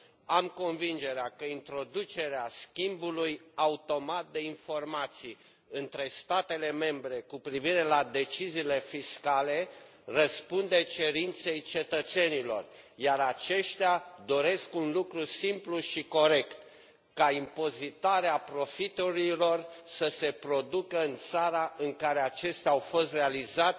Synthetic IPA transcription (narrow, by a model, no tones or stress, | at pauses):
amko̞nvind͡ʒe̞ɾeakəint̪ɾo̞d̪ut͡ʃe̞ɾeaskʲimbulujaut̪o̞mat̪̚d̪e̞info̞rmat̪sij | ɨnt̪ɾe̞st̪at̪e̞le̞me̞mbɾe̞kupɾiviɾe̞lad̪e̞t͡ʃiziːle̞fiskale̞ | rəspund̪e̞t͡ʃe̞ɾint̪se̞jt͡ʃe̞t̪ət̪se̞nilo̞̰r | jaɾat͡ʃe̞ʃt̪ead̪o̞ɾe̞skunlukɾusimpluʃiko̞ɾe̞kt̪ | kaimpo̞zit̪aɾeapɾo̞fit̪uɾilo̞rsəse̞pɾo̞d̪ukəɨnt̪saɾaɨŋkaɾe̞at͡ʃe̞st̪aawfo̞st̪realizat̪